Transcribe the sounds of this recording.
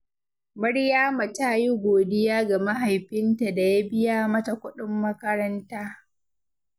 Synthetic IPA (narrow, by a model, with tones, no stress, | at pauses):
mɐ˦ɽjaː˦mɐ˨taː˦˨ji˦ɡʷoː˨dɪ˦jaː˦ɡa˨mɐ˦ɦa˨jɸɪ˦nta˨da˨ja˦bɪ˦jaː˦mɐ˦ta˨kʷʊ˦ɗɪ˦mːɐ˦kɐ˦ɾɐ˦ntaː˦